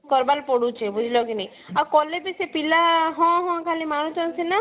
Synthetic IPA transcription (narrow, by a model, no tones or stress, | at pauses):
kɔɾbalpɔɽut͡ʃʰebud͡ʒʱilɔkinej | akɔlebisepilaɦɔ̃ɦɔ̃kʰalimaɾ̃ut̪ɔnsena